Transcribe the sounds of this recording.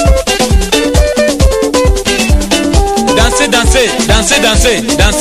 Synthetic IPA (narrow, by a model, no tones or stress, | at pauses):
dãnsedãsedãsedãsedãs